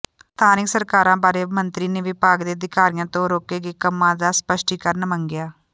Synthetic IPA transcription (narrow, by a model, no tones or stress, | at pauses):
t̪ʰaːnɪksəɾkaːɾãːbaːɾeːmənt̪ɾiːneːʋɪpaːɡd̪eːd̪ɪkaːɾɪjãːt̪õːɾoːkeːɡeːkəmːãːd̪aːspəʃʈiːkəɾnəmə̃ŋɡɪjaː